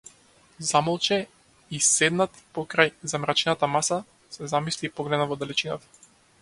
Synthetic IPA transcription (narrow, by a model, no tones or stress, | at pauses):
zamɔlˠt͡ʃɛ | isɛd̪nat̪pɔkɾajzamɾat͡ʃɛnat̪amasa | sɛzamislipɔɡlɛd̪navɔd̪alɛt͡ʃinat̪ḁ